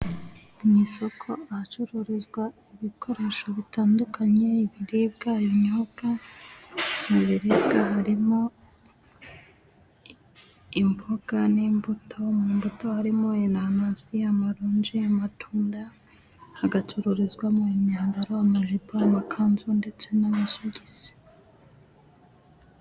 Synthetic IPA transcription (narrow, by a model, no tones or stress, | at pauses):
umiːso̞kʰo̞ahat͡ʃuɾuɾizɡwaiβikʰo̞ɾe̞ːʃoβitaːndukʰaɲe̞iβiɾib̚ɡajoɲoɡ̥a | niβiɾebɡaɦaɾimo̞ | imboɡ̥aniːmbutʰo̞mumbuto̞haɾimoenanasiamaɾuːɲd͡ʒeamatʰuːnda | haɡat͡ʃuɾuɾizɡwamuomɲaːmbaɾoamaʒiboamakʰaːnzunde̞t͡se̞namasiɟiz̥e̥